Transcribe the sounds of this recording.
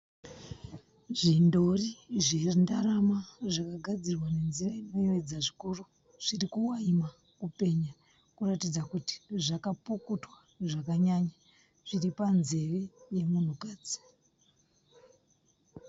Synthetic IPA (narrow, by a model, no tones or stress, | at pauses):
ʐindo̞riʐendaɾamaʐakaɡʱad͡zirwane̞nziraino̞iwed͡zaʐikuru | ʐ̥irikuwaima | kupe̞ɲa | kuratid͡zakuti̥ʐakapukutwa | ʐakaɲaɲa | ʐ̥iripanze̞reje̞mun̤ukaːd͡zi̥